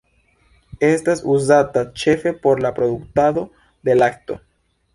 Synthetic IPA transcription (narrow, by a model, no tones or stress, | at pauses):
est̪asuzat̪at͡ʃe̞fepoɾlapɾoðukt̪aðo̞ | ðelak̚t̪o̰